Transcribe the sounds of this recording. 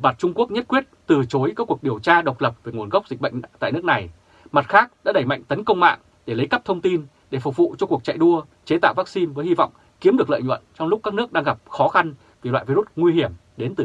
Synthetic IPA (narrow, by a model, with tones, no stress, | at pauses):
ma˨˩t̚t͡ɕʊ˧ŋ͡mku˦˥ək̚ɲə˦˥t̚kwi˦˥ət̚t̪ɨ˨˩t͡ɕo˨˦jkaː˦˥kːu˨˩ək̚ɗi˨˩əwt͡ɕaː˧ɗə˨˩wk͡p̚lə˨˩p̚veː˨˩ŋu˧˩ənɣa˦˥k͡p̚zi˨˩k̟̚ɓə̰˧jŋ̟t̪a̰ː˧˨jnɨ˦˥əkna˨˩j | ma˨˩t̚xaː˦˥k̚ɗa̰ː˧˥ɗə˧˩jma̰˧˨ŋ̟t̪ə˨˦nkə˧wŋ͡mma̰ː˧˨ŋ | ɗe˧˩lə˨˦jkə˦˥p̚t̪ʰə˧wŋ͡mt̪i˧n | ɗe˧˩fʊ˨˩k͡p̚vṵ˧˨t͡ɕɔ˧ku˨˩ək̚t͡ɕa̰˧˨jɗu˧ə | t͡ɕe˨˦t̪a̰ː˧˨wvaː˦˥k̚si˧nvəː˨˦jhi˧vɔ̰˧˨wŋ͡m | ki˨˦mɗɨ˨˩əklə̰ː˧˨jɲwə̰˧˨nt͡ɕɔ˧wŋ͡mlk͡p̚kaː˦˥k̚nɨ˦˥ək̚ɗaː˧ŋɣa˨˩p̚xɔ˨˦xa˧n | vi˨˩lwa̰ː˧˨jvi˧u˦˥t̚ŋwi˧hi˧˩əm | ɗe˨˦nt̪ɨ˨˩